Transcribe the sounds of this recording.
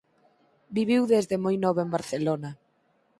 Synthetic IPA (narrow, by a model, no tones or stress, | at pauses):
biβ̞iwðezðemojnɔβoembaɾθelona